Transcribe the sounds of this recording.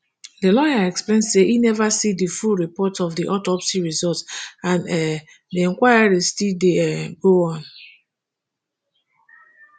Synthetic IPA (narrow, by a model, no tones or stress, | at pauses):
delɔjaɛksplẽndseʔinɛvasidifulɹipɔtɔfdiʔɔtɔpsiɹizɔltãnɛ | deɛ̃ŋkwajadestideɡoɔ̃n